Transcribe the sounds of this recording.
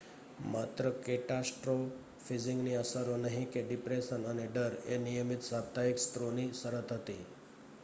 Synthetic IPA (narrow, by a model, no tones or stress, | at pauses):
mat̪ɾəkeʈasʈɾo | fid͡ʑiŋɡniəsaɾonəɦikeɖipɾesənaneɖəɾḛnijəmit̪sab̚t̪aikst̪ɾoniːsəɾət̪ɦot̪i